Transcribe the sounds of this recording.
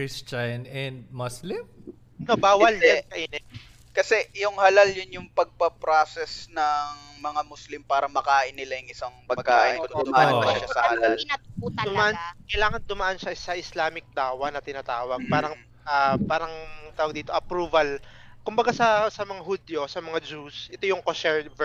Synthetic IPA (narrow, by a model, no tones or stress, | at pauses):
kɹist͡ʃanɛnd̪̚mɐslɪm | nobaːwɐlɛkɐʔɪnɛ | kɐsɛjʊŋhɐlaljʊnjʊŋpɐɡ̚pɐpɾasɛsnɐŋmɐŋamʊslimpaːɾɐmɐkaːʔɪnːɪlɐjʊŋɪsaŋpɐɡkaːʔɪnʊmaɐʃasɐhɐlalnɐuːt̪d̪ʊmaʔankɐjlaːŋɐnd̪ʊmaʔanʃɐʔɪsɐʔɪslaːmɪk̚d̪aːwɐnɐt̪ɪnaːt̪aːwɐɡ̚paːɾɐŋ | ʔapaːɾɐŋt̪aːwɐɡ̚d̪iːt̪o̞ʔɐpɾuːvɐlkʊmbɐɡasɐsɐmɐŋaɦʊd̪jo̞sɐmɐŋad͡ʒusʔɛt̪o̞jʊŋkosɛɹvɛ